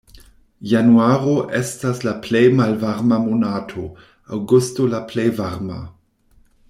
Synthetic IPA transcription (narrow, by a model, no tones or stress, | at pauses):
januaːʁoʔɛstaslaplejmalvaʁmamonaːtʰo | awɡustolaplejvaʁma̰